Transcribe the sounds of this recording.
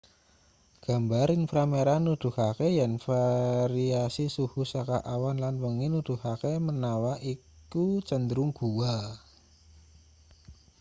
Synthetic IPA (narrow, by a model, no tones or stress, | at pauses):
ɡ̥a̤mbaɾinfɾameɾanud̪̥ṳhakejanfaɾiasisuhusakaʔawanlanwəŋinud̪̥ṳhakemənawaʔi | kut͡ʃənd̪ɾuŋɡ̥uwa